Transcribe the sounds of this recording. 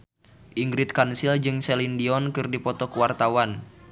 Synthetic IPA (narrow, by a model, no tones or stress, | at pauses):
ʔiŋɡɾit̪̚kansild͡ʒɨŋsɛlindiɔnkɨrdipɔt̪ɔkəwart̪awan